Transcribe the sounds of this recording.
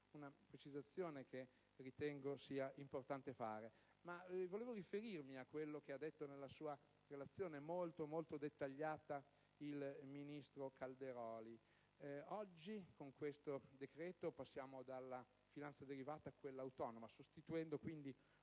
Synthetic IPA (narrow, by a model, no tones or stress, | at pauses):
unapɾet͡ʃizat̪sːjoːnekʰe | rit̪ɛŋɡosiːaimport̪ant̪efaːɾe | mavoleːvoɾifeɾirmiakːwelːok̟ead̪ːet̪ːonelːasuːa | relat̪sːjoːnemolt̪omolt̪od̪et̪ːaʎːaːt̪a | ilminist̪ɾokʰald̪eɾɔːli | ɔd͡ʒːikoŋkwest̪od̪ekɾɛːt̪opasːjaːmod̪alːa | finant̪sad̪eɾivaːt̪aːkwelːaːwt̪ɔnomasost̪it̪uɛnd̪okwind̪i